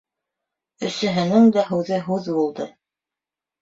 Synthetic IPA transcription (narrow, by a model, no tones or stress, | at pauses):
ɵ̆sɘ̆ɦɘ̆nɘŋd̪æɦʉwðɘɦʉðbulˠd̪ɤ